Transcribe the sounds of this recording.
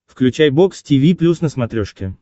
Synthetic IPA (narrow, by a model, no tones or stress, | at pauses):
fklʲʉt͡ɕæjbo̞kstʲivʲiplʲusnəsmɐt̪ɾʲoʂkʲɪ